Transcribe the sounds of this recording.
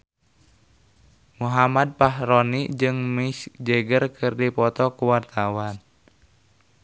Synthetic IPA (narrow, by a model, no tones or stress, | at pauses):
muɦamad̪̚paɦɾɔnid͡ʒɨŋmisd͡ʒeɡərkʰɨrdipɔt̪ɔkuwart̪awan